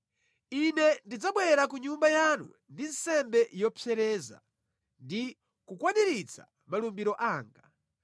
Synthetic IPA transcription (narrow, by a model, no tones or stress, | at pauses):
inɛndid͡zaɓwɛɾakuɲumbajanṵ | ndin̩sɛmbɛjɔpʰjɛɾɛːza̰ | ndi | kukwaɗiɾit͡sʰa̰ | malumbiɾɔʔaːŋɡa